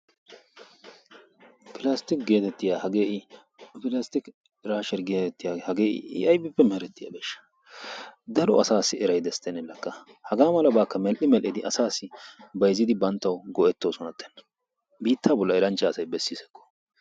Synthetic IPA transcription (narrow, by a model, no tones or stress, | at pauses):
pɪlɐst̪ɪkɡeːt̪ɛt̪ːɪjaːhɐɡeːʔɪ | pɪlɐst̪ɪk | ɾaːʃɛɾɡeːt̪ɛt̪ːɪjahɐɡeːʔɪ̰ʔɪ̰ʔɐjbɪpːɛmɛhɛɾɛt̪ːɪja̰ːbeːʃːɐ̥ | d̪ɐɾɔ̰ɐ̰saːsːɪɛɾɐjd̪ɛst̪ːɛnɛlːɐkːɐ | hɐɡaːmɐlɐbaːkːɐmɛlʔɪmɛlʔɪd̪ɪʔɐsaːsːɪbɐjzɪd̪ɪbɐnt̪ːɐwɡɔʔɛt̪ːoːsɔnɐt̪ːɛ̥nɐ̥ | biːt̪ːaːbɔlːɐɛɾɐnt͡ʃːɐːsɐjbɛsːɪsɛ̥kːɔ̥